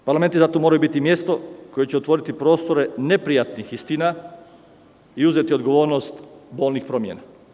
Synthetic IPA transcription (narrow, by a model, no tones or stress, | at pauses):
paɾlamet̪izat̪omoːɾajubit̪imje̞st̪o̞koje̞t͡ɕeot̪ʋo̞ːɾit̪ipɾo̞st̪o̞ɾe̞ne̞pɾijat̪nixist̪ina | iuzet̪io̞d̪ɡoʋo̞ːɾnost̪bo̞ːlnixpɾomjḛna